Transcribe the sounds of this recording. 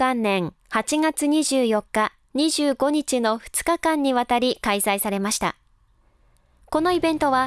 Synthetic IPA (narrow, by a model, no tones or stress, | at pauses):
ãnːẽ̞ŋhat͡ɕiŋat͡sɨɲ̟iʑɨːjo̞kːa | ɲ̟iʑɨːɡo̞ɲ̟it͡ɕino̞ɸɯ̟̥t͡sɨ̥kakãɲ̟ːiβat̪aɾʲikaisaisaɾe̞maɕi̥t̪a̰ | ko̞no̞ibẽ̞nt̪o̞βa